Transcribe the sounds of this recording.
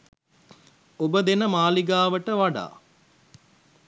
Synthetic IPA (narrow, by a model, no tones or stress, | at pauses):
obəd̪enəmaːliɡaːʋəʈəʋaɖa̰ː